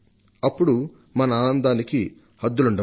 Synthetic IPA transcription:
ɐpːuɽu | mɐnɐaːnɐnd̪aːniki | hɐd̪ːuluɳɖɐ

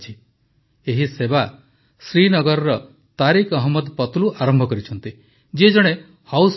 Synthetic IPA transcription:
t͡ʃʰi | eɦiseba | sɾinɔɡɔɾɔɾɔ | t̪aɾikʰɔɦmːɔd̪pɔt̪uluʔaɾɔmbʱɔkɔɾit͡ʃʰɔnt̪i | d͡ʒied͡ʒɔɽ̃e | haws

